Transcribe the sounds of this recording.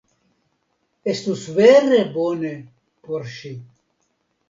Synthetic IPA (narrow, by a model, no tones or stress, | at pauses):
est̪usweɾeboːne | poɾʃi